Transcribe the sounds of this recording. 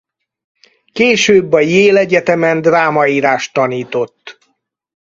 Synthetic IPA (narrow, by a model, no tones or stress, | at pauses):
keːʃøːbːɒjeːlɛɟɛt̪ɛmɛnd̪raːmɒiːɾaːʃt̪ːɒniːt̪o̞t̪ː